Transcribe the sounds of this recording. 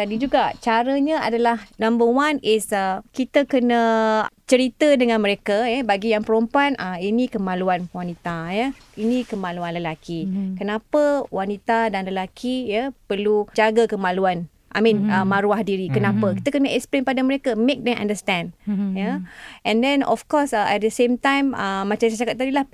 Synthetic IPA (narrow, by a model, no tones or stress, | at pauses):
t̪adid͡ʒuɡat͡ʃaɾəɲəa̰dalahnãmbəwanɪsəkit̪əkənət͡ʃəɾit̪ədəŋãnməɾekajəbaɡijaŋpəɾompanʔəminĩkəmãluanwanit̪ajə | inĩkəmaluanləlakikənapəwanit̪adanləlakʰijapərlud͡ʒaɡakəmaluan | ʔa̰mĩnəmãɾuahdiɾikənãpəki̥t̪əkənəʔɛkspɾiŋpadaməɾekamek̚dɛ̃mʔã̰ndəst̪ɛ̃ndjaɛ̃ndɛ̃nɔ̰fkɔsʔɛt̪̚dəsẽmt̪ãjməmãt͡ʃansat͡ʃakat̪̚ːadilah